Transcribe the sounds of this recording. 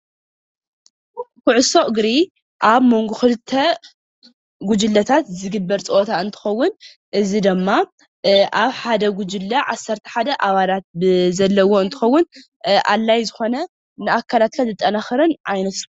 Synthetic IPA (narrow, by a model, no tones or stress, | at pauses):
kuʕʊso̞ʔɨɡɾi | ʔaβmo̞ŋɡuxɨlɨt̪ʰːɐ | ɡud͡ʒɨlːɐt̪ʰat̪zɨɡɨbːɐɾt͡sʼoʔot̪ʰaɨnt̪ʰɨ̥xɐwːʊn | ʔɨzid̪ɨmːa | ʔaβħad̪ɐɡud͡ʒɨlːɐʕasːɐɾt̪ʰɐ̥ħad̪ɐʔaβalat̪̚bɨzɐlːɐwo̞ɨnt̪ʰɨ̥xɐwːʊn | ʔa̰lːajzɨxo̞nɐ | nɨʔakʰːalat̪̚kʰazɨt̪ʼːɐnaxɨɾɐnʔajnɐt̪